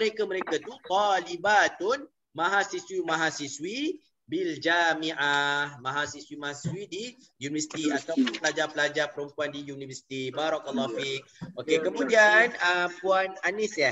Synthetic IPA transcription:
məɾekaməɾekat̪ut̪ɔlibat̪ʊn | mãɦasiswimãɦasiswi | bild͡ʒamiʔamãɦasiswimaɦasiswidi | junivəsi̥t̪iat̪awpʊnpəlad͡ʒapəlad͡ʒapəɾəmpuandijunivəsi̥t̪ibaɾɔkalːɔfik̚ʔokekəmũdianəmpuananisja

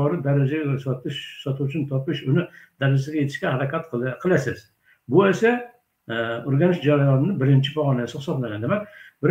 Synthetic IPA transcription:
ɒɾɨd̪aɾad͡ʒaɡʲsɒt̪ɪʃsɒt̪ʰuwʊt͡ʃʰɪnt̪ʰɒpɪʃʊnɪd̪̥aɾad͡ʒsɪɡʲaje̞t̪ʰɪ̥ʃkʲahaɾakʲat̪qʰɨlˠasɪz̥ | bʊesa | ʊɾɡʲanɪʃd͡ʒaɾajɒnɪnɪbɪɾɪnt͡ʃʰɪpɒʁɒnajsɪχɨsɒblaŋʲand̪emak̚ʲbɪɾ

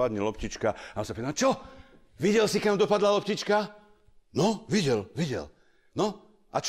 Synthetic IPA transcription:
ad̪ɲɛlɔpcit͡ʃkaaɔmsapit̪amt͡ʃɔ | ʋiɟɛlsikamd̪ɔpad̪lalɔpcit͡ʃka | nɔʋiɟɛlʋiɟɛ̰l | nɔ | ʔa̰t͡ʃ

